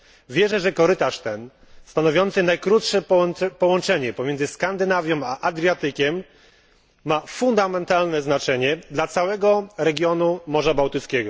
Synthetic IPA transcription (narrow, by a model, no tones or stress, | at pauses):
vʲjɛʐɛʐɛkɔɾɘt̪aʂt̪ɛn | st̪anɔvʲjɔnt̪sɘnajkɾut̪ʂɛpɔwɔnt͡ʂɛɲɛpɔmʲjɛnzɘskand̪ɘnavʲjɔ̃wmaʔad̪ɾʲjat̪ɘkʲɛmː | afund̪amɛnt̪alnɛznat͡ʂɛɲɛd̪lat̪sawɛɡɔɾɛɡʲjɔnumɔʐabawt̪ɘt̪skʲɛɡɔ